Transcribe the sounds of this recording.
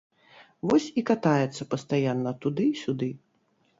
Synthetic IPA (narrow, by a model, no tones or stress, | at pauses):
vɔsʲikat̪ajɛt̪sːɐpɐst̪ajanːɐt̪ud̪ɨsʲud̪ɨ